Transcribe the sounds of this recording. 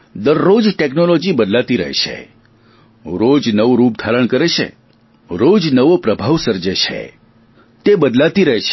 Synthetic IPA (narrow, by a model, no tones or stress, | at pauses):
d̪əɾːod͡ʒʈeknolod͡ʒibəd̪lat̪iɾə̰ɦḛt͡ʃʰḛ | ɾod͡ʒnəʋɾup̚d̪ʱaɾəɳ̃kəɾet͡ʃʰḛ | ɾod͡ʒnəʋopɾəbʱaʋsəɾd͡ʒet͡ʃʰḛ | t̪ebəd̪lat̪iɾəɦet͡ʃʰ